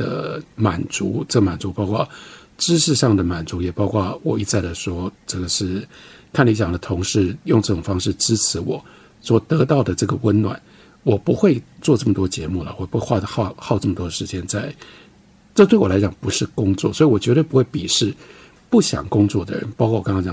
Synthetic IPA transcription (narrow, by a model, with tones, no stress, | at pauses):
d̪ə̰˩ma˨˩nt͡su˧˥ʈ͡ʂə˥˩ɡə˩ma˨˩nt͡su˧˥pɑ˥ʊkʰwa˥˩ | ʈ͡ʂɻ̩˥ʂɻ̩˥˧ʂɑ˥˩ŋd̪ə˩ma˨˩nt͡su˧˥jɛ˨˩pɑ˥ʊkwɑ˥˩wɔ˨˩i˥˧t͡sa˥˩ɪd̪ə˩ʂwɔ˥ʈ͡ʂɤ˥˩ɡə˩ʂɻ̩˥˩kʰa˥˩nli˧˥ɕjɑ˨˩ŋd̪ə˦t̪ʰʊ˧˥ŋʂɻ̩˥˧jʊ˥˧ŋʈ͡ʂɤ˥˧˩ʈ͡ʂʊ˨˩ŋfɑ˥ŋʂɻ̩˥˩ʈ͡ʂɻ̩˥t͡s̩ʰ˧˥wɔ˨˩˦ | swɔ˨˩t̪ɤ˧˥t̪ɑ˥˩ʊd̪ə˩ʈ͡ʂɤ˥˩ɡə˩wə˦nnwa̰˨˩˦n | wɔ˨˩pu˧˥xwe˥˧ɪt͡swɔ˥˧ʈ͡ʂɤ˥˩mə˩t̪wɔ˥t͡ɕjɛ˧˥mu˥˩lə̰˨wɔ˥˩˨pu˥e˥˧xwa˥˧xɑ˥˧xɑ˥˧ʊʈ͡ʂɤ˥˩mə˩t̪wɔ˥ə˨ʂɻ̩˧˥t͡ɕjɛ˥nt͡sa˥˩ɪ | ə˥˧t̪we˥˩wɔ˨˩la˧˥ɪt͡ɕɑ˨˩ŋpu˧˥ʂɻ̩˥˩kʊ˥ŋt͡swɔ̰˥˩swɔ˧˥i˨wɔ˨˩t͡ɕɥɛ˧˥d̪ə˧pu˧˥xwe˥˩ɪpi˨˩ʂɻ̩˥˧ | pu˥˩ɕjɑ̰˨˩ŋkʊ˥ŋt͡swɔ˥˩d̪ə̰˩ɻə̰˧˦npɑ˥kwa˥˩wɑ˥ŋkɑ˥ŋt͡ɕjɑ̰˨˩